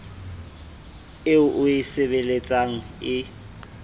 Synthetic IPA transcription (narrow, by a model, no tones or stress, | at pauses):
ɪʊʔʊɪseβelet͡sʼaŋ̩ɪ